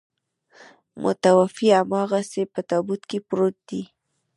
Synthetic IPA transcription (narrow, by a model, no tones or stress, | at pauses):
mʊ̰t̪awafiamɑɣasepət̪ɑbut̪kepɾot̪̚d̪̥i